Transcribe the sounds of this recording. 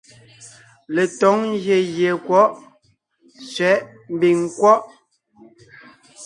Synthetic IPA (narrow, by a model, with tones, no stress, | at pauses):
le˨tɔ˨˦ŋ˦ɣje˨ɣje˨kwɔ˦ʔ | sɥɛ˨˦ʔ | m̩˨˦bi˨ŋkwɔ˦ʔ